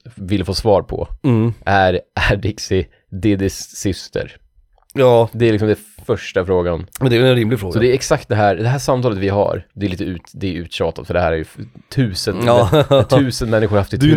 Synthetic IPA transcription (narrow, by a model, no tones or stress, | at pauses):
vɪlfoːsvɑːɾpʰɔ̰ʔæɾʔæɖɪksɪ | d̪ɪd̪ɪsːʏst̪ʰə̰ɾ | jd̪ɛæɾlɪksɔmd̪ɛfœʂʈafɾoːɡanmnd̪ɛːɛɛnɾɪmlɪɡfɾoːɡsɔd̪ɛːɾɛksak̚t̪̚d̪ɛɦæːɾd̪ɛɦæːʂamːt̪ʰɑːlət̪vɪɦa̰ɾd̪ɛɛɾliːt̪əʉːt̪d̪ɛʉ̟ːt̪ɕɑːt̪at̪fœɖɛhæːɾæɾjɵft̪ʰʉ̟ːsənt̪ʰʉ̟ːsənmɛnːɪɧʊɾhaft̪ɪt